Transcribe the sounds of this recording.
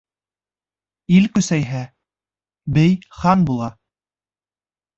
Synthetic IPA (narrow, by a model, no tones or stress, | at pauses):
ilkɵ̆sæjɦæ | bɘjχɑnbulˠɑ